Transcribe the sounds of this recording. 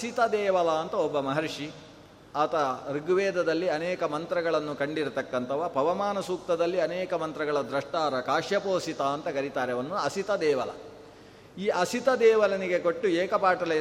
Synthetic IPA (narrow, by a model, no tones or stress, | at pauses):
ɐsit̪ɐd̪ɛːʋɐlaɐnt̪ɐobːɐmɐɦɐɾʂi | aːt̪ɐɾiɡʋɛːd̪ɐd̪ɐlːiɐnɛːkɐmɐnt̪ɾɐɡɐɭɐnːukɐɳɖiɾut̪ɐkːɐnt̪ʰɐʋɐpɐʋɐmaːnɐsuːk̚t̪ɐd̪ɐlːiɐnɛːkɐmɐnt̪ɾɐɡɐɭɐd̪ɾɐʂʈaːɾɐkaːʂjɐpoːsit̪aɐnt̪ɐkɐɾit̪aːɾeʋɐnːuɐsit̪ɐd̪ɛːʋɐlɐ̰ | iːʔɐsit̪ɐd̪ɛːʋɐlɐniɡe̞koʈːuɛːkɐpaːʈɐlɐ